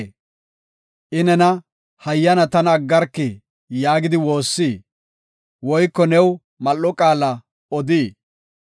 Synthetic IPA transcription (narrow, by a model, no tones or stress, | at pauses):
ʔɪnɛnɐ | hɐjːɐnɐt̪ɐnːɡːɐɾkːɪ | jaːɡɪd̪ɪwo̞ːsːiː | wɔjkːɔnɛw | mɐlːɔkʼaːlɐ | ɔd̪iː